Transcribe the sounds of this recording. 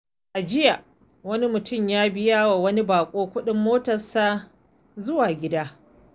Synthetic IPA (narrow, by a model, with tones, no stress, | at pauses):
ʔa˨d͡ʒɪ˦ja˨ | wɐ˦ni˦mʊ˨tʊ˦˨mjaː˦bɪ˦jaː˦wa˨wɐ˦ni˦baː˨kʷʼoː˦kʷʊ˦ɗɪ˦mːoː˦tɐ˨saː˦ | zʊ˦waː˨ɡʲɪ˦daː˦